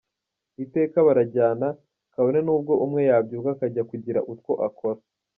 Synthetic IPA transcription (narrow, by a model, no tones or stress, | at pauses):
ite̞ːkaβaɾaɟaːna | kaβo̞ne̞nuːb̚ɡo̞ʔumŋe̞jaːbɟuːkakaɟakuɟiɾa̰ʔutkwo̞ʔakʰo̞ɾa